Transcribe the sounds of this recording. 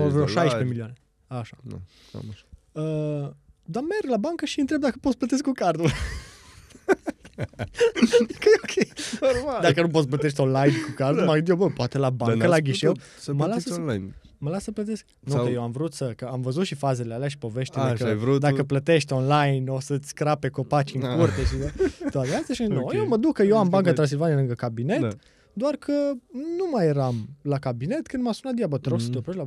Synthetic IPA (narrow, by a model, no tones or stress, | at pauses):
vɾoʃajʃpemiliane | aʃa̰ | ə | d̪amerɡlabaŋkəʃiɨnt̪ɾe̞b̚d̪akə̥pot̪splət̪eskːukard̪ul | d̪akəokʲʰejomad̪akənup̬ot̪s̬plət̪eʃt̪ʲo̞nlajnkukard̪ulmaɡɨnd̪jobəpoat̪elabaŋkəlaɡʲiʃew | məlasajn | məlasəplət̪esk̚ | nut̪ejewamvɾut̪səkəamvəzut̪ʃifaze̞lealeaʃi̥po̞ve̞ʃt̪eekəud̪akəplət̪e̞ʃt̪ʲo̞nlajnosət̪sʲkɾape̞ko̞pat͡ʃiŋkurt̪eʃid̪əoat̪ealst̪aʃinojewməd̪ukːəjeambaŋkət̪ɾans̬ilvanialɨŋɡəkabine̞t | d̪oarkʰənumajeɾamlakabine̞t̪kɨnd̪masunat̪d̪ijabət̪əɾoɡsət̪eoploʃla